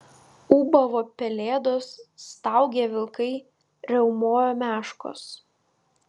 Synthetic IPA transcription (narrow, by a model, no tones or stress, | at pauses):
uːbɐʋoːpʲɛlʲeːd̪oːsːt̪ɑˑʊɡʲeʋʲɪlˠkɐɪ | ɾʲɛʊmoːjoːmʲæːʃko̰ːs